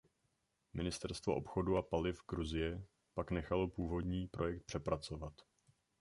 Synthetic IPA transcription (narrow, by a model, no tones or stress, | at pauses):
mɪnɪst̪ɛɾst̪vo̞̰ʔo̞̰pxo̞duapalɪfɡɾuzɪjɛ | paknɛxalo̞puːvo̞dɲiːpɾo̞jɛk̚t̪̚pr̝̥ɛpɾat͡so̞vat̪